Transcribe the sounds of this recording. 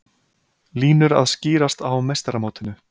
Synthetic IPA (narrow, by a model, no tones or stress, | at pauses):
liːnʏɾa̰ðsciːɾast̪awmejst̪aɾamoːt̪ɪnʏ